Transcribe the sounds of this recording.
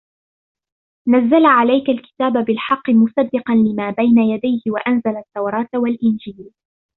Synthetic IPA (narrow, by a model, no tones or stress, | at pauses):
nazːalʕalajkalkɪ̥t̪aːbabɪlħɑqːɨmʊsad̪ːɪqɑnlɪmaːbajnajad̪ajhɪwaʔanzalat̪ːawɾˤɑːt̪walʔɪnd͡ʒiːl